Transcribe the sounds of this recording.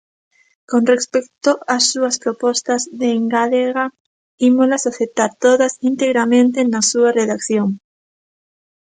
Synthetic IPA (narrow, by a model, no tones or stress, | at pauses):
kõnrespek̚t̪oasːuaspɾopost̪azðeŋɡaleɣa | imolasaθep̚t̪aɾt̪oðasint̪eɣɾamẽnt̪enasuareðakθjoŋ